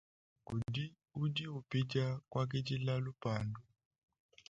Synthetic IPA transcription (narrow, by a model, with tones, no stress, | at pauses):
ku˨di˦ | u˦di˦u˨pi˦d͡ʒa˦kwa˦k̬ɛ˦d͡ʒi˦la˦lu˦pa˨ndu˨